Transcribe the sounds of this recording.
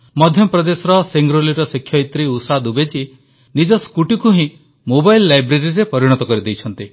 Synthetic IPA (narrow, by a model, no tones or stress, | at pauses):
mɔd̪ʱjɔpɾɔd̪esɔɾɔseŋɡɾoliɾɔsikʰjɔit̪ɾiusad̪ubet͡ʃi | nid͡ʒɔskuʈikuɦĩ | mobajlːajbɾeɾiɾepɔɾiɽ̃ɔt̪ɔkɔɾid̪ejt͡ʃʰɔnt̪i